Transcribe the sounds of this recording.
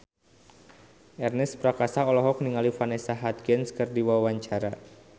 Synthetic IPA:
ʔɛrnɪspɾakasaɔlɔɦɔk̚niŋalifanesaɦat̪̚ɡɛnskɨrdiwawaɲt͡ʃaɾa

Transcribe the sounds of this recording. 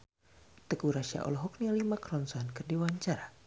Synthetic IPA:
t̪əkuɾaʃia̰ʔɔ̰lɦɔk̚nialimakɾɔnsɔnkərdiwaɲt͡ʃaɾa

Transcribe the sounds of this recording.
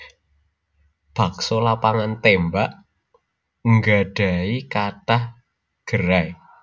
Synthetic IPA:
b̥a̤ksolapaŋant̪embaʔ | ŋɡaɖ̥a̤ikatah | ɡ̥əɾaj

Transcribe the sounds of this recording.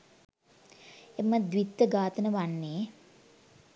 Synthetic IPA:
eməd̪ʋit̪ːəɡaːt̪ənəʋanːeː

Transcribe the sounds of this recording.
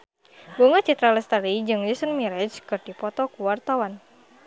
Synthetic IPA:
boŋat͡ʃit̪ɾalɛst̪alid͡ʒɨŋlisənmiɾɛt͡ʃkɨrdipɔt̪ɔkuwart̪awan

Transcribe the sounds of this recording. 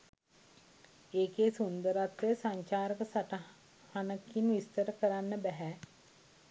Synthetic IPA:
eːkeːsund̪əɾat̪ʋəjəsaɲt͡ʃaːɾəkəsaʈə | hanəkinʋist̪əɾəkəɾanːəbæɦɛ

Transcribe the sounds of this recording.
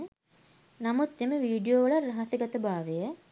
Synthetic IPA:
nɐmut̪ːeməʋiːɖijoːʋɐɭɐrːɐɦɐsɐɡɐt̪ɐbaːʋejɐ

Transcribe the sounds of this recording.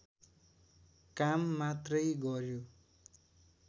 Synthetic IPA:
kamːat̪rʌjɡʌɾjo

